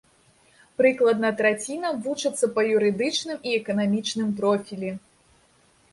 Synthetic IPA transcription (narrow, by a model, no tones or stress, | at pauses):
pɾɨklˠɐd̪nɐt̪ɾat͡sʲinɐvut͡ʂɨt̪sːɐpɐjuɾɨd̪ɨt͡ʂnɨmiɛkɐnamʲit͡ʂnɨmpɾɔfʲilʲi